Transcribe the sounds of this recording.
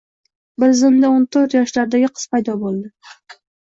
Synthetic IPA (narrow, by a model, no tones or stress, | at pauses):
bɪɾzɪmd̪aont̪ʰoɾt̪jɒʃlaɾd̪aɡʲɪqʰə̥z̥pajd̪ɒbolˠd̪ɪ